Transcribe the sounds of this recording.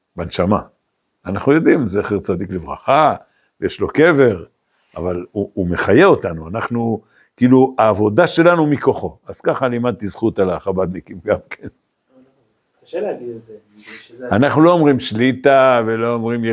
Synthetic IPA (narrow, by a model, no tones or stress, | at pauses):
benʃama | anaχnujo̞d̪imzeχeʁt͡sad̪iklevʁa̰χa | vjeʃlo̞ke̞ve̞ʁ | avaluːme̞χaje̞o̞tanuanaχnu | kiːluaːvo̞d̪aʃe̞lanumiko̞χo̞az̥kaχalimad̪̚tizχut̪alaχabad̪nekimɡamkʰen | anaχnulo̞omʁimʃlit̪avelo̞omʁimj